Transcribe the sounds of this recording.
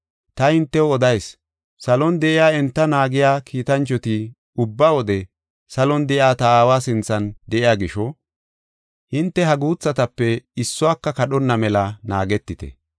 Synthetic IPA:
t̪ɐhɪnt̪ːɛɔd̪ɐjs | sɐlɔnd̪ɛʔɪjaːɛnt̪ːɐnaːɡɪjaːkʰiːt̪ɐnt͡ʃːɔt̪ɪ | ʊbːaːwɔd̪ɛ | sɐlɔnd̪ɛʔɪjaːt̪ɐaːwaːsɪnt͡sːɐnd̪ɛʔɪjaːɡɪʃɔ | hɪnt̪ːɛɦɐɡuːt͡sːɐt̪ɐpːɛɪsːʊwaːkːɐkɐɗɔnːɐmɛlɐna̰ːɡɛt̪ːɪt̪ɛ̰

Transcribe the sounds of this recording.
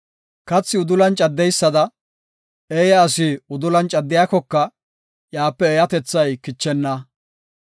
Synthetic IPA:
kɐt͡sːɪʊd̪ʊlɐnt͡ʃʼɐd̪ːɛjsːɐd̪ɐ | eːjɐːsɪʊd̪ʊlɐnt͡ʃʼɐd̪ːɪjakɔkːɐ | jaːpːɛːjɐt̪ɛt͡sːɐjkɪt͡ʃːɛnːɐ

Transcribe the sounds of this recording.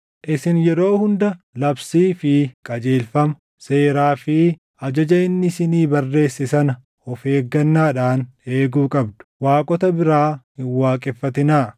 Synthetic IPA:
ʔɪsɪnjɛɾo̞ːhʊnd̪ɐ | lɐbsiːfɪkʼɐd͡ʒeːlfɐmɐ | se̞ːɾaːfɪ | ɐd͡ʒɐd͡ʒɐɪnːɪsɪniːbɐrːe̞ːsːɪsɐnɐ | ɔfe̞ːɡːɐnːaːᶑaːne̞ːɡuːkʼɐb̚d̪ʊ̥waːkʼɔt̪ɐbɪɾaːhɪnwaːkʼɛfːɐt̪ɪnaː

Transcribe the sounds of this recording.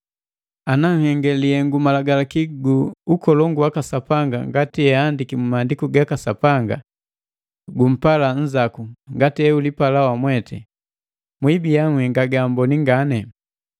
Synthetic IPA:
anaŋ̩hɛŋɡɛliɛŋɡumalaɡalakiɡuukɔlɔŋɡuwakasapaŋɡa̰ŋɡatiɛandikimumandikuɡakasapaŋɡa̰ | ɡum̩palan̩zakuŋɡatɛulipalawamwɛtʰɛ̰ | mwibijaŋwɛŋɡaɡambɔniŋɡanɛ

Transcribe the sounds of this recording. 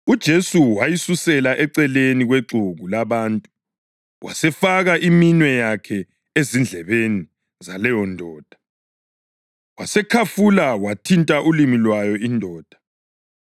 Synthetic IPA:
ud̥ʒ̥ʱesuwajisusɛlaʔɛǀɛleniɣweǁʱuɣulaβaːntʼu̥ | wa̰sɛfaɣaʔiminwɛjakʰɛ | ezind͡ɮʱɛβeni | zalɛjɔndʱɔːd̥ʱḁ | wasɛkʰafulawatʰintʼaʔulimilwajɔindʱɔːd̥ʱa

